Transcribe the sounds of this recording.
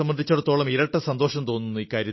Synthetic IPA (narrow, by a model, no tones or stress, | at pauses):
ɐmbɐnd̪ʱit͡ɕːɐɽut̪ːo̞ːɭɐmiɾɐʈːɐsɐnd̪oːʂɐmt̪oːnːunːuiːkːaːɾjɐ